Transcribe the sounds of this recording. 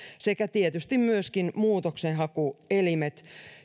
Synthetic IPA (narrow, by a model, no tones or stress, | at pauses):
se̞kæt̪iet̪yst̪immyøskinmuːt̪oksenɦɑkuelimet̪